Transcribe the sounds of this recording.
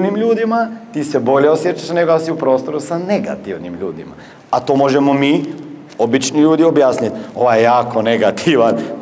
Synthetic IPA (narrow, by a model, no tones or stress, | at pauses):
nimʎuːd̪imat̪iːse̞bo̞ʎe̞o̞sjet͡ʃaʃne̞ɡojasiupɾo̞ːst̪o̞ɾusane̞ɡa̰t̪iʋnimʎṵːd̪ima̰ | at̪o̞ːmo̞ʒe̞mo̞miː | o̞bit͡ʃniʎuːd̪io̞bjaːsnit̪o̞ʋajejaːko̞neɡat̪ʰiʋan